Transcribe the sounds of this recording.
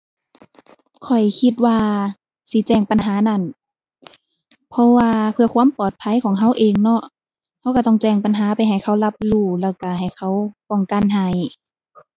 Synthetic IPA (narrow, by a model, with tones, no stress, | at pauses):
kʰɔ˨˩jkʰi˧t̪̚waː˧ | siː˨˦t͡ɕɛː˧˩ŋpa˨nɦaː˨˦na˧˩˨n | pʰɔ˧waː˧pʰɯ˧ɐkʰwuː˧˥˨mpɔː˨˩t̪̚pʰa˧˥˨jkʰɔː˨˦ŋɦa˧˩˨wʔeː˨ŋnɔ˧˥ʔ | ha˧˥wka˧˩ɔ˧˩ŋt͡ɕɛː˧˩ŋpa˨nɦaː˨˦pa˨jɦa˨˩jkʰa˧˩˨wla˧p̚luː˧˩lɛː˧˩wka˧˩ɦa˨˩jkʰa˧˩˨wpɔ˧˩ŋka˧˨nɦaː˨˧˦j